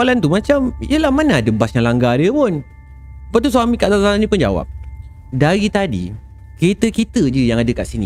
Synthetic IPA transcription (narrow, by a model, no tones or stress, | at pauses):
alant̪umat͡ʃamḭjəlahmanaːdəbasjaŋlaŋɡadəpʊn | apaʔt̪us̬uamikaʔdaaanĩpʊnd͡ʒa̰wa̰p̚ | daɾit̪adḭ | ket̪əkit̪əd͡ʒəjaŋadəkaʔsinḭ̃